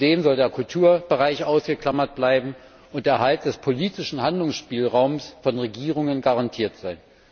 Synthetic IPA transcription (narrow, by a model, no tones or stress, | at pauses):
d̥eːmzɔldeːɐkʰʊltʰuːɐb̥əʁaɪçʔaʊsɡ̥əkl̥amɐt̚b̥laɪbm̩ | ʔʊntd̥eːɐɦalt̚d̥ɛspʰoliːtɪʃn̩handlʊŋsʃpiːlʁaʊmsfɔnʁeɡiːʁʊŋənɡaʁantʰiːɐtz̥aɪn